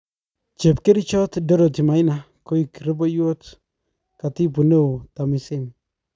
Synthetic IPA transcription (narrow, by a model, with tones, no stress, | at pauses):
t͡ʃe˨pke˦ɾi˦t͡ʃɔ˦tdɔ˦ɾo˨ti˨ma˨ɪ˦na˨ | ko˦iki˨ɾɪ˦bɔ˦jo˦t | ka˨ti˦p̬u˨ne˦˨ta˨mi˨sɪ˦m